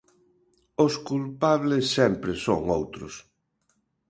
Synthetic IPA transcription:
ʊskulpaβlesːɛmpɾeso̰ŋowt̪ɾʊs

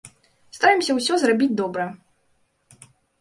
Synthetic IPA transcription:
st̪aɾavʲimsʲɐwsʲɔzrabʲid͡zʲd̪ɔbɾɐ

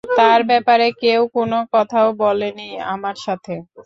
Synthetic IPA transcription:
t̪aɾbɛpaɾekewkonokɔt̪ʰaobɔlenia̰maɾʃat̪ʰe

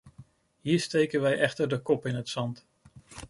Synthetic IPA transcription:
ɦiːɹstejkənʋɛjʔɛχtəɹdəkɔpɪnɦətsɑnt

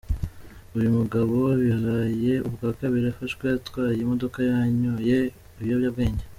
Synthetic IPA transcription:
ujumuɡaβo̞βiaɾaje̞ṵβbɡaːkaβiɾefaʃɡwejatwaːɾjemo̞do̞kajaɲoje̞ | iβjoβjabɡe̞ːɲɟe

